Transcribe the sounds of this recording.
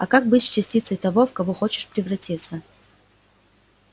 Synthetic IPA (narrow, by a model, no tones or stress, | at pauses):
ɐkak̚bɨtʲsʲt͡ɕɪsʲtʲit̪səjt̪ɐvofkɐvoxot͡ɕɪ̥ʂpɾʲɪvrɐtʲit̪sə